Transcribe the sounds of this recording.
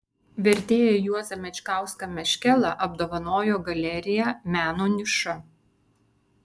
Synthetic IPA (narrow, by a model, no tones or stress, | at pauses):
ʋʲɛɾʲt̪ʲeːjɛjuɔzʲɐmʲɛt͡ʃʲkɑˑʊskɐmʲɛʃʲkʲɛlˠɐʔɐb̚d̪oːʋɐnoːjoːɡɐlʲɛɾʲɪjɛmʲæːnoːnʲɪʃʊ